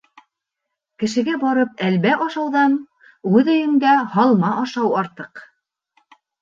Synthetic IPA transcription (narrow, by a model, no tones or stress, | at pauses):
kɘ̆ʃɘ̆ɡæbɑɾɤp̚ælβæʔɑʃɑwðɑn | ʉðɵ̆jɘ̆mɡæhɑlˠmɑʔɑʃɑwɑɾt̪ɤq